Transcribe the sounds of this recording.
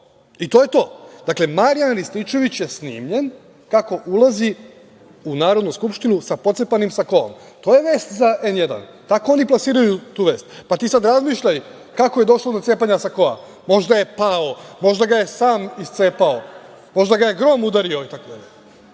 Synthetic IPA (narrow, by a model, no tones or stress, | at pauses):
it̪o̞je̞t̪o̞ːd̪̥akle̞maɾijanɾist̪it͡ʃo̞ʋit͡ɕjesnḭːmʎe̞n | kako̞ʔulˠazi | unaːɾo̞d̪nuskupʃt̪inusapo̞t̪sepanimsako̞o̰m | t̪o̞ːje̞ʋe̞ːst̪zaʔe̞nje̞d̪a̰n | t̪ako̞o̞niplˠasiːɾajut̪uːʋe̞ːst̪pat̪iːsad̪ɾazmiːʃʎaj | kako̞je̞d̪o̞ʃlod̪ot̪e̞ːpaɲasako̞a̰ | mo̞ʒd̪aje̞paomo̞ʒd̪aɡaje̞saːmist̪se̞ːpao | mo̞ʒd̪aɡajeɡɾo̞mud̪aɾio̞it̪akod̪aʎe